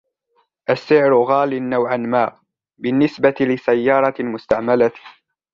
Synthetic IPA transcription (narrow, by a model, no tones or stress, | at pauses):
ʔasːɪʕɾʊɣaːlɪnːawʕanmaː | bɪnːɪsbat̪ɪlɪsajːɑːɾˤɑmʊst̪aʕmala